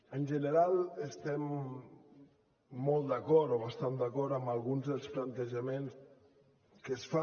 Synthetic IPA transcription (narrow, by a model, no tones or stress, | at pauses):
ənʲʒənəɾalˠəst̪ɛm | ɔlˠt̪d̪əkɔɾt̪oβast̪and̪əkɔɾt̪əmbalˠɣunzðəlˠsplant̪əʒəmens | kəsfa